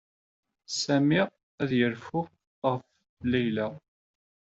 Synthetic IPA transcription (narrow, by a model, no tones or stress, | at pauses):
sæmiʁ | æðjəɾfʊ | ʁəf | læjlæ